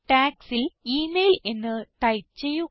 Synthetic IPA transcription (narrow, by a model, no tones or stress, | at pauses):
ʈaːksiliːmeːlenːɨt̪ɐjt͡ɕːeju